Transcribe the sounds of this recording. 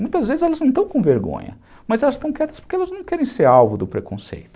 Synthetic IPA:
mũj̃t̪ɐzvezɪzɛlɐznɐ̃t̪ɐ̃w̃kõw̃veɾɡõ̰ɲɐ̰ | mɐzɛlɐst̪ɐ̃w̃kɛt̪ɐspʊɾkeɛlɐznɐ̃w̃kɛɾẽj̃seɾawvʊd̪ʊpɾekõ̰sḛjt̪ʊ̥

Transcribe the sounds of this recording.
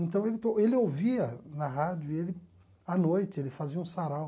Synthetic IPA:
ẽnt̪ɐ̃w̃elɪt̪oelɪoviɐnɐɦad͡ʒʊielɪ | anojt͡ʃɪelɪfaziɐũsaɾaw

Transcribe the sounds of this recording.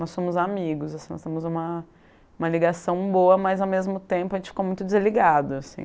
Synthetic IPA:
nɔsːõmʊzamiɡʊsasĩnɔ̰st̪ẽmʊzũmɐ | ũmɐliɡasɐ̃w̃boɐmɐzawmezmʊt̪ẽmpʊɐʒẽt͡ʃɪ̥fi̥komũj̃t̪ʊd͡ʒɪzliɡad̪ʊasḭ̃

